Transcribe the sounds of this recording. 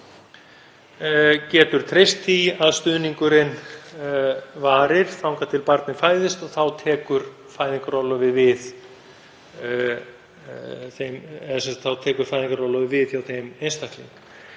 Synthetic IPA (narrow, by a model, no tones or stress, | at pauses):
cɛːt̪ʏɾ̥t̪ʰɾejst̪ʰːiaðst̪ʏːniŋkʏɾɪn | vaːɾɪɾ̥θawŋkat̪ʰɪlpaɾt̪nɪfaːjðɪst̪ɔθawt̪ʰɛːkʏɾ | faːjðiŋkaɾɔwlɔvɪvɪð | θemɛasɛsat̪θawt̪ʰɛːkʏɾ̥fajðiŋkaɾɔwlɔvɪvɪðçjawθejmejnst̪ahk̪lɪ̰n